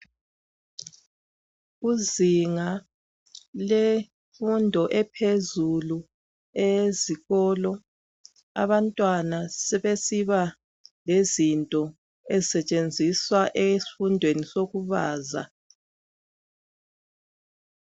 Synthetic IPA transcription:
uziŋa | le | fundʱɔʔɛpʰezulu | eziɣɔːlɔ | a̰βantʼwanasɛβesiβa | lezintʼɔ | ezisɛt͡ʃʼend͡zʱiswaʔesi̥fundʱwenisoɣuβaːza̰

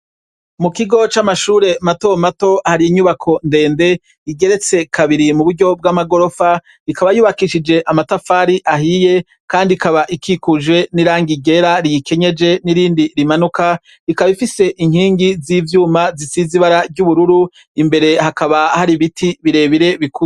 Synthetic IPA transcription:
mukiɡo̞t͡ʃamaʃuːɾe̞mato̞mato̞haɾiiɲuβakʰo̞nde̞ːnde̞ | iɡe̞ɾe̞t͡se̞kʰaβiɾimuβuɾɟo̞b̚ɡamaɡo̞ɾo̞fa | ikaβajuːβakiʃid͡ʒe̞ʔamatafaːɾiʔaɦije̞ | kaːndiikaβaʔikʰikuʒe̞niɾaːŋɡiɡe̞ɾaɾijike̞ɲe̞d͡ʒe̞niɾiːndiɾimanuka | ikaβifise̞ʔiŋhiːŋɡiziːvjuːmazisiziβaɾaɾɟuβuɾuɾu | imbe̞ɾe̞hakaβahaɾiβitʰiβiɾe̞βiɾe̞βiku

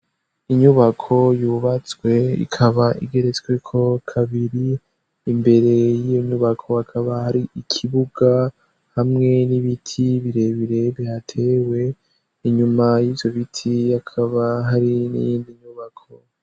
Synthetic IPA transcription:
iɲuβakʰo̞juːβat͡sɡwe̞ḭkʰaβaʔḭɡe̞ɾe̞t͡sɡwekʰo̞kʰaβiɾi | imbe̞ɾe̞jijoɲuβakʰo̞hakʰaβahaɾiikʰiβuɡ̥a | hamŋe̞niβitʰiβiɾe̞βiɾe̞βihatʰe̞we̞ | iɲumajiːvjo̞βitʰijakʰaβaɦaɾinḭjiːndiɲuβakʰo̞

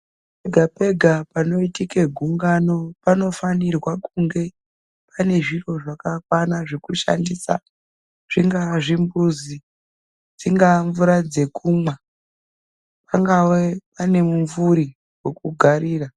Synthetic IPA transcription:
peɡʱape̞ɡʱapano̞itikeɡʱuŋɡano̞pano̞fanirwakuŋɡe̞ | pane̞ʐiro̞ʐakakwanaʐekuʃa̰ndisa̰ | ʐ̥iŋɡaʐimbuzi | d͡ziŋɡaɱvuɾad͡ze̞kuːmwa | paŋɡawepane̞muɱvuɾi | we̞kuɡʱaɾiːra

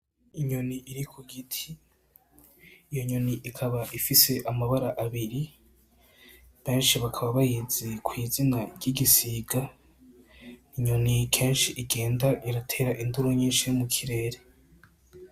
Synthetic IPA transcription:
iɲo̞niiɾikʰuɡitʰi | joɲo̞niʔikʰaβaʔifise̞ʔamaβaɾaʔaβiɾi | β̥e̞ːnʃiβakʰaβaβajezekwiːzinaɾɟiɡisiɡa | niɲo̞nikʰe̞ːnʃiʔiɡeːndaʔiɾatʰe̞ːɾaʔinduɾoɲiːnʃijomukʰiɾe̞ːɾe

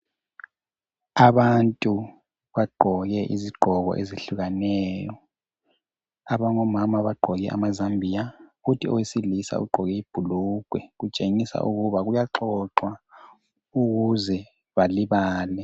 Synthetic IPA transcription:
aβantʼu | βaɡ͡ǃʱɔɣɛʔḭziɡ͡ǃʱɔɣɔ̰ʔeziɬuɣanɛːjɔ | aβaŋɔmamaβaɡ͡ǃʱɔɣɛʔa̰mazambʱijafutʰiɔ̰wesilisa̰uɡ͡ǃʱɔɣɛib̥ʱuluɡ̥ʱwɛɣut͡ʃʼeŋisa̰ʔuɣuβaɣujaǁɔǁwa | uɣuzɛ | βaliβaːlɛ

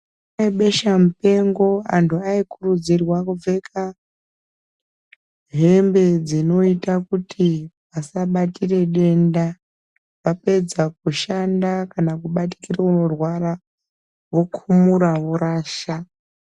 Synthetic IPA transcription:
aiɓe̞ʃamupe̞ŋɡo̞a̰ntʰuaikurud͡zirwakub͡ve̞kʰa | ɦe̞mbe̞d͡zino̞itakutʰipasaɓatire̞ɗe̞nda | ʋape̞d͡zak̚uʃandakanakuɓat̬i̥kirauno̞rwaɾa | ʋo̞kʰumuɾaʋoɾaːʃa

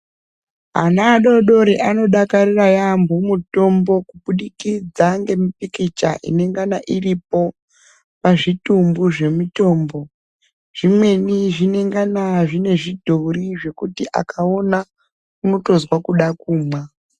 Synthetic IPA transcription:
ɦa̰naːɗo̞ɗo̞ɾiʔano̞ɗakarirajambʱomuto̞mbo̞kuɓuɗikid͡zaŋɡe̞mipikit͡ʃaʔḭne̞ŋɡanaʔirip̚o̞ | paʐitumbuʐe̞muto̞ːmbo̞ | ʐ̥imwe̞niʐine̞ŋɡanaʐine̞ʐidʱoriʐe̞kutiʔa̰kao̞na | kumutozwakuɗakuːmwa

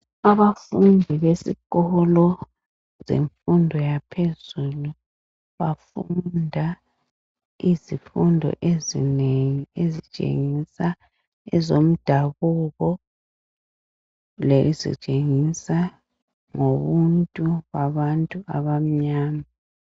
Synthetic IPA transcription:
aβafundʱiβesikɔlɔ | zḛɱfundʱɔjapʰezulu | βafundʱa | izifundʱɔ̰ʔezḭneŋiezit͡ʃʼḛŋisa | ɛzom̩d̥ʱaβuɣɔ | lezḭt͡ʃʼeŋisa | ŋoβuntʼuβaβantʼuʔaβam̩ɲaːma

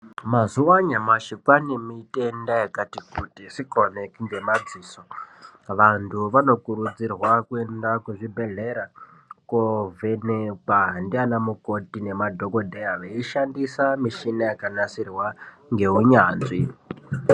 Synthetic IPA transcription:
mazuwaɲamaʃikwanemite̞ndajakatikutisikonekiŋɡe̞mad͡ziːsoʋantʰuʋano̞kuɾud͡zirwakue̞ndakwuʐibʱe̞ɮeɾa | kovʱenepandianamuko̞tine̞madʱokodʱejaʋeiʃandisamiʃinajakanasirwa | ŋɡe̞uɲaːnd͡zi

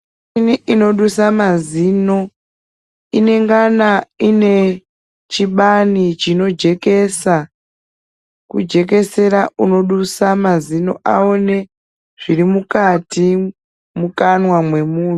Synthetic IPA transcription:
niino̞ɗusamaziːno̞ | ine̞ŋɡanaine̞ | t͡ʃiɓanit͡ʃino̞d͡ʒe̞ke̞sa | kud͡ʒe̞k̬e̞se̞ɾauno̞ɗusamazino̞̰ʔa̰o̞ne̞ | ʐ̥irimukati | mukanwamwe̞muːn

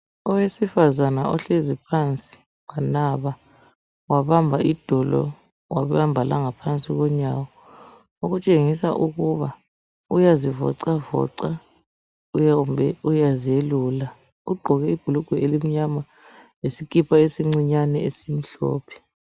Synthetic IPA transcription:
ɔwesifazanaɔɬezipʰant͡sʼi̥ | wanaβa | waβambʱaʔid̥ʱɔlɔ̰ | waβjambʱala̰ŋapʰant͡sʼiɣɔɲawɔ | oɣut͡ʃʼeŋisa̰ʔuɣuβa | ujazivɔ̰ǀavɔ̰ǀa | mbʱɛujazielula | uɡ͡ǃʱɔɣɛib̥ʱuluɡ̥ʱɛelim̩ɲama | esik̬ʼipʰaesiŋ͡ǀiɲanɛesim̩ɬɔ̰ːpʰi̥

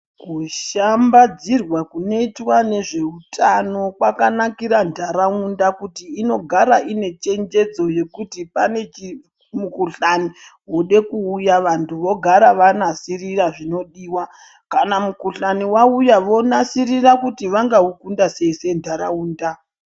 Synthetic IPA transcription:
kuʃambad͡zirwakunoitwane̞ʐe̞utʰano̞kwakanakiɾandʱaɾaundakutiːno̞ɡʱaɾaʔine̞t͡ʃe̞nd͡ʒe̞d͡zo̞je̞kutipane̞t͡ʃi | mukuɬaniɦuɗe̞kuːjaʋantʰuʋo̞ɡʱaɾaʋanasiriraʐino̞ɗiːwa | kanamukuɬaniwaujaʋo̞nasirirakutiʋaŋɡaukundase̞ise̞ndʱaɾauːnda

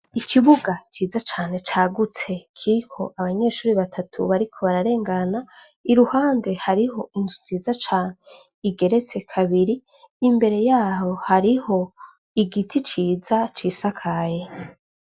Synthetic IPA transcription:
ikʰiβuɡat͡ʃiːzat͡ʃaːne̞t͡ʃaːɡut͡se̞kʰiɾikʰo̞̰ʔaβaɲe̞ːʃuːɾiβatʰatʰṵβaɾikʰo̞βaɾaɾe̞ːŋɡanaiɾuhaːnde̞haɾiho̞inzunziːzat͡ʃaːne̞ | iɡe̞ɾe̞t͡se̞kʰaβiɾiː | mbe̞ɾe̞jaːho̞haɾiho̞ | iɡitʰit͡ʃiːzat͡ʃiːsakʰaje̞

